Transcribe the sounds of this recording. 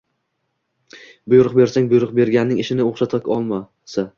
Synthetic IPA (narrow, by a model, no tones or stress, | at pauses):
bʊjɾʊqbe̞ɾsaŋbʊjɾʊqbe̞ɾɡʲanːɪŋɪʃɪnɪoχʃat̪ʰɪkʲɒlˠma | sa